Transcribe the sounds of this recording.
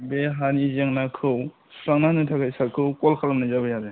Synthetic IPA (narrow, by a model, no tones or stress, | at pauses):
beɦanizeŋnakʰɯw | sɾaŋnanɯtʰakajsaɾkʰɯwkɔlkʰalamnajzabɯjaze